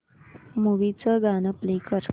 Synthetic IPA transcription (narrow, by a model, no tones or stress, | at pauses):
muʋit͡səɡanəplekəɾ